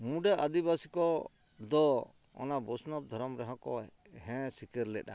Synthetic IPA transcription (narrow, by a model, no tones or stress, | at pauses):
muɖaʔad̪ibasikɔ | d̪ɔ | ɔ̰nabɔsnɔb̚d̪ʱɔɾɔmɾɛɦɔ̃kɔ | ɦɛ̃sikɛɾlɛʔa̰